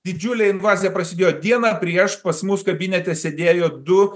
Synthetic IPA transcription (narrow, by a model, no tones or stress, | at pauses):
d̪ʲɪd͡ʒʲulʲɛɪnʋɑːzʲijɛpɾɐsʲɪd̪ʲeːjoːd̪ʲiɛnɑːpʲɾʲiɛʃpɐsmʊskɐbʲɪnʲɛt̪ʲɛsʲed̪ʲeːjoːd̪ʊ